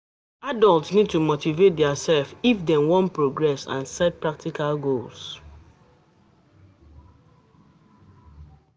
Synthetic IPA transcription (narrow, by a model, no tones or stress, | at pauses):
adɔltsnid̚tumotivet̚dɛasɛlfifdɛ̃nwɔ̃npɹoɡɹɛsã̰nsɛd̚pɹak̚tikʰalɡols